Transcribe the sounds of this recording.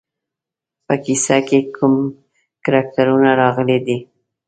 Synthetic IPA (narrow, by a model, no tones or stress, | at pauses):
pəkisakekʰum | kaɾɑk̚t̪aɾunaɾɑɣəled̪i